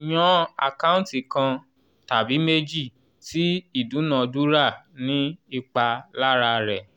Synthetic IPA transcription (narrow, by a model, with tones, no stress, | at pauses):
j̃ɔ̃˦a̰˨ka˦ũ˦ti˨kã˧ | ta˨bi˨˦me˦d͡ʒi˦˨ | ti˦i˦˨dũ˨˦nã˨du˦ɾa˦˨nĩ˨˦i˦˨k͡pa˧la˦ɾa˧ɾɛ˨